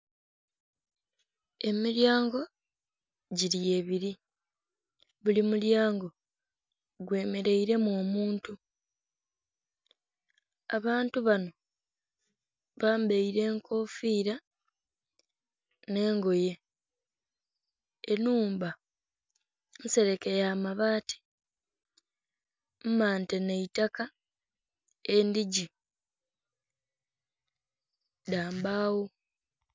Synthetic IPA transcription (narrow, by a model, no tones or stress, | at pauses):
e̞miɾjaːŋɡo̞ | ɟiɾie̞βiɾi | βulimuljaːŋɡo̞ | ɡwe̞ːme̞ɾe̞iɾe̞mwo̞ːmuːntu | aβaːntuβano̞ | βaːmbeiɾe̞ːŋkʰo̞ːfiːɾa | ne̞ːŋɡo̞je̞ | nuːmba | n̩se̞ɾe̞kejaːmaβaːtʰi̥ | m̩maːnteneitaka | endiɟi | daːmbaːwo